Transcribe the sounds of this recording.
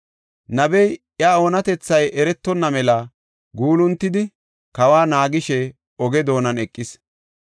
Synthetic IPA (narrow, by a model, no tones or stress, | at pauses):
nɐbɛj | jɐao̞ːnɐt̪ɛt͡sːɐjɛɾɛt̪ːɔnːɐmɛlɐ | ɡuːlʊnt̪ːɪd̪ɪ | kɐwaːnaːɡɪʃɛ | ɔɡɛd̪o̞ːnɐnɛkʼːɪs